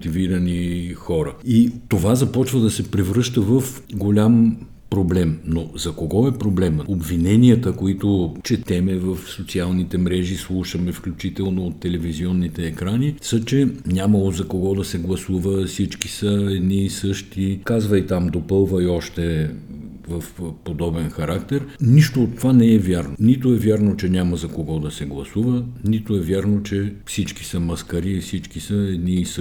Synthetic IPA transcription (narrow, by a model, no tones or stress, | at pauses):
t̪iviɾənixɔɾəit̪ovazɐpɔt͡ʃvəd̪ɐsɛpɾɛvɾɤʃt̪əvəf | ɡolʲam | pɾoblɛmnozɐkoɡɔɛpɾoblɛmobvinɛniət̪əkoit̪ot͡ʃɛt̪ɛmɛvəfsot̪sialˠnit̪ɛmɾɛʒislˠuʃəmɛfklʲut͡ʃit̪ɛlˠnoːt̪ːɛlɛviziɔnːit̪ɛːkɾanisət͡ʃɛnʲaməlˠozɐkoɡɔd̪ɐsɛɡlˠɐsuvəfsit͡ʃki̥səɛd̪niːsɤʃt̪ikazvəjt̪amd̪opɤlˠvəjɔʃt̪ɛ | vɐfpod̪ɔbɛnxɐɾakt̪ɛɾniʃt̪oːt̪ːovanɛɛvʲjaɾnonit̪oɛvʲjaɾnot͡ʃɛnʲamɐzɐkoɡɔd̪ɐsɛɡlˠɐsuvənit̪oɛvʲjaɾnot͡ʃɛfsit͡ʃki̥səmɐskɐɾiːfsit͡ʃkisəɛd̪niːs